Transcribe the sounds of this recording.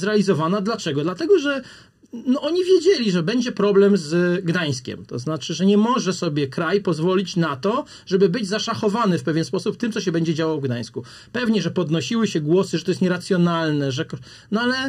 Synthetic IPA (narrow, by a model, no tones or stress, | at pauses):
zɾɛalʲizɔvanad̪lat͡ʂɛɡɔd̪lat̪ɛɡɔʐɛ | nɔɔɲivʲjed͡ʑelʲiʐɛbɛɲd͡ʑɛpɾɔblɛmzɡd̪aj̃skʲɛ̰mt̪ɔznat͡ʂɘʐɛɲɛmɔʐɛsɔbʲjɛkɾajpɔzvɔlʲit͡ɕnat̪ɔ | ʐɛbɘbɘd͡ʑzaʂaxɔvanɘfpɛvʲjɛnspɔsupt̪ɘmt̪sɔɕ̬ɛbɛɲd͡ʑɛd͡ʑawawvɡd̪aj̃sku | pɛvɲɛʐɛpɔd̪nɔɕiwɘɕɛɡwɔsɘʐɛt̪ɔjɛst̪ɲɛɾat̪sʲjɔnalnɛʐɛk | nɔalɛ